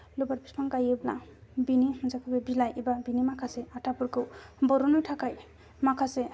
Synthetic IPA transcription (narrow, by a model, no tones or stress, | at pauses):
lobaɾpispaŋkajebla̰binimɯzakʰɯbebilajibabinimakʰaseatʰapuɾkɯwbɔɾɔnɔjtʰakaj | makʰase